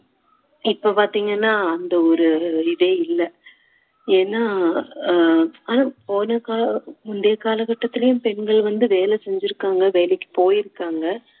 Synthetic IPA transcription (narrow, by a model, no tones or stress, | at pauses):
ɪpːopaːɾt̪iːŋɡɐnːaːɐnd̪ɐɔɾɯɪðɛɪlːɐ | eːnːaː | aːnapoːnɐkaːmʊnd̪ɐjɐkaːlɐkɐʈːɐt̪ːɪlɐjʊ̃mpɛɳɡɐɭʋɐnd̪ɯʋeːlɛsɛɲd͡ʒɪɾɯkːaːŋɡɐʋeːlɛkːɯ̥poːjɪɾɯkːaːŋɡɐ